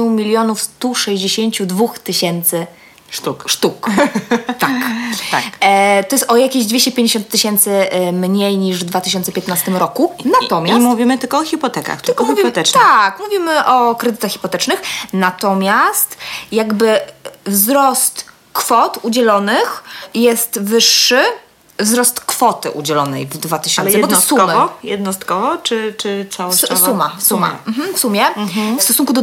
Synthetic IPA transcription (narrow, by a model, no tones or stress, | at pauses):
umʲilʲjɔnufst̪uʂɛʑd͡ʑeɕeɲt͡ɕud̪vuxt̪ɘɕɛnt̪sɘ | ukʂt̪uk | t̪akt̪at̪ɔjɛst̪ɔjakʲeʑd̪vʲeɕt͡ɕɛpʲjeɲd͡ʑeɕɔ̃nt̪ːɘɕɛnt̪sɘmɲejɲiʐvd̪vat̪ɘɕɔnt̪sɛpʲɛt̪nast̪ɘmɾɔkunat̪ɔmʲasmuvʲimɘt̪ɘlkɔɔxʲipɔt̪ɛka̰xt̪ɪkɔmvimpt̪ɛt̪akmuvʲimɘʔɔkɾɛd̪ɘt̪axxʲi̥pɔt̪ɛt͡ʂnɘxnat̪ɔmʲjast̪jaɡbɘvzɾɔst̪ | kfɔt̪ud͡ʑɛlɔnɘxjɛst̪vɘʂːɘ | vzɾɔst̪kfɔt̪ɘ̰ʔud͡ʑɛlɔnɛ̰jvd̪vat̪ɘɕɔnɛbɔt̪ssuɔmɔjɛd̪̚nɔst̪kɔvɔt͡ʂɘt͡ʂɘt̪sawɔssumasuma̰m̩ɦm̩fsumʲjɛfst̪ɔsuŋkud̪ɔ